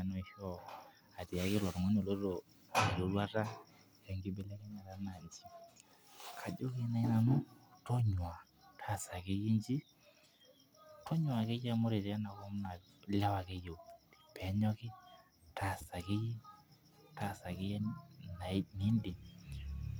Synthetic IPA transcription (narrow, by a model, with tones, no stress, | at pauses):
a˨nɔ˦i˨hɔ˦˨ | a˨ti˨a˦kɪ˦lɔ˨ɾŋɔ˦ɲo˨lo˦ɾo˨˦˨ | lo˨lwa˦ta˦˨ | ɛ˨ŋɡi˦bɛ˦lɛ˦kɛ˦ɲa˨ɾa˦na˨nd͡ʒi˦ | kʰa˨d͡ʒo˦ke˦na˨i˦na˨nɔ˦tɔ˦ɲwa˨ | tʰa˦˨sa˨ke˦ji˦nd͡ʒi˦ | tɔ˦ɲwa˨ke˦d͡ʒa˦mɔ˦ɾe˨ɾa˦na˨kɔ˦m˦na˨ | la˦wa˨ke˦jo˨pɛ˨˦ɲɔ˦kɪ˦ | tʰa˨sa˨kɪ˦ji˦ | ta˦sa˨kɪ˦jɛ˦na˨˦nɪ˦ndi˨